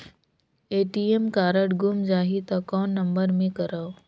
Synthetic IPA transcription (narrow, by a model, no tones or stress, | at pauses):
eːʈiːemkaːɾəɽɡʊmd͡ʒaːɦit̪ɐkɔːnːɐmbəɾmẽkɐɾaːo